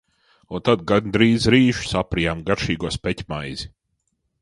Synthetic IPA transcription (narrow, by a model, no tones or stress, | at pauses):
unt̪ad̪ɡand̪ɾiːzɾiːʒ̥sapɾijaːmɡaɾʃiːɡɔspɛtʲmajz̥i